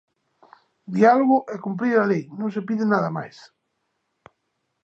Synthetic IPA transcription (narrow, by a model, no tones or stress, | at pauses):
d̪ialoɣʊʔɛkump̬ɾiɾalejnõŋsepiðɪnaðɐma̰js